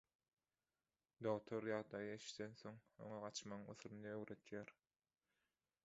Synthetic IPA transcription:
d̪oʁt̪ʰo̞ɾjɑʁd̪ɑjɯeʃi̥t̪ʰenθo̞ŋo̰ŋɑʁɑt͡ʃmɑŋɯ̰θɾɯnɯøɣɾøt̪ʰjæɾ

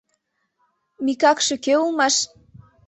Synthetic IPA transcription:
mikɑkʃe̽keulmɑʃ

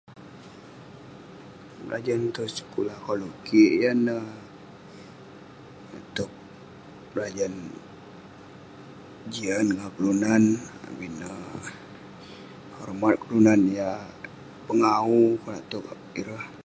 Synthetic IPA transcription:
bla̰d͡ʒant̪usə̥kulahkalukiʔjanə | a̰t̪uk̚ | lad͡ʒan | d͡ʒianŋakəlunana̰binə | hɔrmat̪̚kəlunanja | pəŋaukunat̪uk | iɾəh

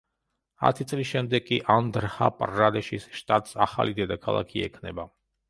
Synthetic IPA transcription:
a̰t̪ʰit̪sʼlisʃɛmd̪ɛɡ̚kʼːiʔand̪ɾha̰pʼrːad̪ɛʃisʃt̪ʼat̪ʼsaχa̰lid̪ɛd̪akʰalˠa̰kʰiɛ̰kʰnɛba

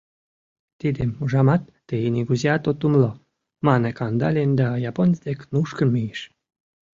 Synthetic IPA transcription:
t̪id̪emuʒɑmɑt̪ːeinʲiɡuzʲiat̪ot̪ːumlo | mɑnekɑnd̪ɑlʲenʲd̪ɑjɑponʲzd̪ʲeknuʃkənmijiʃ

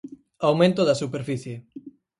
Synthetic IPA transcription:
awmẽnt̪oðɐsupeɾfiθje

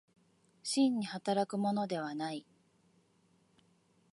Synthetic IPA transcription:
ɕĩɲ̟ːihat̪aɾakɯ̟mo̞no̞d̪e̞β̞anai

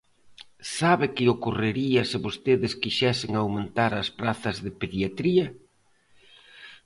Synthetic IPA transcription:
saβɪkɪokorɪɾiɐsɪβost̪eðɪskiʃɛsɪŋawmẽnt̪aɾɐspɾaθɐzðɪpeðiat̪ɾiɐ

